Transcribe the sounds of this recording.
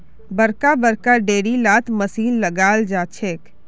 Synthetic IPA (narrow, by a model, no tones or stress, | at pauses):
bəɾkabəɾkaɖeːɽilaːt̪məsiːnləɡaːld͡ʒaːt͡ʃʰeːk